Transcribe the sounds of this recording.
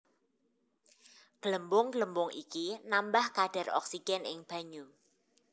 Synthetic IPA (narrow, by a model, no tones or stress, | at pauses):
ɡ̥ləmbʊŋɡləmbʊŋḭkinambahkaɖ̥a̤rɔ̰ksiɡ̥ɛnɪŋb̥a̤ɲu